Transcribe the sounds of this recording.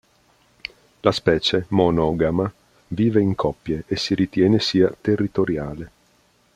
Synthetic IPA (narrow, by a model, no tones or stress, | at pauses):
laspɛːt͡ʃemonɔɡama | viːveiŋkʰɔpːjeʔesiɾit̪jɛːnesiːat̪erːit̪oɾjaːle